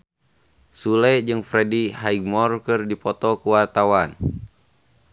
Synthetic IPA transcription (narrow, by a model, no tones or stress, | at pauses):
sulɛd͡ʒɨŋfɾɛdihaiɡ̚mɔrkɨrdipɔt̪ɔkuwart̪awan